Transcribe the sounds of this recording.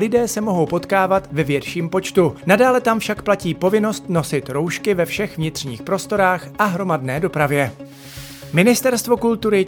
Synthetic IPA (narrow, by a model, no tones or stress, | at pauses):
lɪdɛːsɛmo̞ɦo̞wpo̞t̪kaːvat̪vɛvjɛt̪ʃiːmpo̞t͡ʃt̪unadaːlɛt̪amfʃakplaciːpo̞vɪno̞st̪no̞sɪt̪ɾo̞wʃkɪvɛfʃɛxvɲɪt̪r̝̥ɲḭːxpɾo̞st̪o̞ɾaːxʔaɦɾo̞madnɛːdo̞pɾavjɛ | mɪnɪst̪ɛɾst̪vo̞kult̪uɾɪ